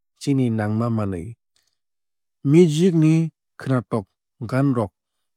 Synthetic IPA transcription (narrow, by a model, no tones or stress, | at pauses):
t͡ʃininaŋmamalɯ̰j | mud͡ʒik̬̚ni | kʰɯnatɔk̚ | ɡanɾɔk̚